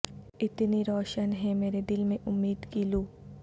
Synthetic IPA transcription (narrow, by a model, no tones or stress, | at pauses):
ɪt̪niɾɔːʃənɦɛmeːɾed̪ɪlmẽʔʊmːiːd̪kiːluː